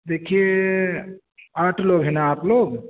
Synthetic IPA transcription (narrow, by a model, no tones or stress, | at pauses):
d̪ekʰie | aʈʰloɡɦenaaʈʰloɡ